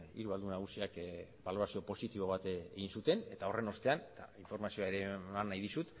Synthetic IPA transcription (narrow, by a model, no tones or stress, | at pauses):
ḭɾuβald̪unaɣusiak | balo̞ɾasio̞po̞sit̪iβo̞β̞at̪eeɣinsut̪e̞ne̞t̪ao̞re̞no̞st̪e̞anet̪a̰iɱfo̞ɾmasio̞aeɾemanːajðisut̪